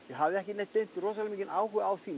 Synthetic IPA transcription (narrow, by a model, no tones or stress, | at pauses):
jɛɦavðɪɛhcɪnet̪ːent̪rɔːs̬alɪmiːcɪnʔaːwɦʏaːwfiːn